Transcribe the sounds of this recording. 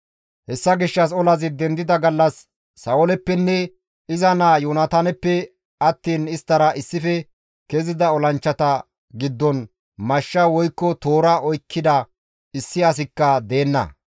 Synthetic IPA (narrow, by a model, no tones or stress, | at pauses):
hɛsːɐɡɪʃːɐs̬ɔlɐzɪd̪ɛnd̪ɪd̪ɐɡɐlːɐsː | ɐɔlɛpːɛnːɛ | ɪzɐnaːjuːnɐt̪anɛpːɛ | ɐt̪ːiːnɪst̪ːɐɾɐʔɪsːɪfɛ | kɛzɪd̪ɐɔlɐnt͡ʃːɐt̪ɐ | ɡɪd̪ːɔn | mɐʃːɐwɔjkːɔt̪oːɾɐʔɔjkʰːɪd̪ɐ | ɪsːɪɐs̬ɪkːɐd̪e̞ːnːɐ̰